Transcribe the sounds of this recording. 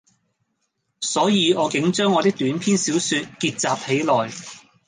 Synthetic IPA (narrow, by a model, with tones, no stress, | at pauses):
sɔː˨˥jiː˨˧ɔː˨˧kɪ˨˥ŋt͡ʃœː˥ŋːɔː˨˧t̪ɪ˥k̚t̪yː˨˥npʰiː˥nsiː˨˥wsyː˧t̚kiː˧t̚t͡saː˨p̚he˨˥jlɔː˨j